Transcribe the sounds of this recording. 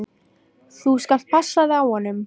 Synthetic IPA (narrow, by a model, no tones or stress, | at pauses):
θuskal̥t̪̚pʰasːaðɪawhɔnːʏm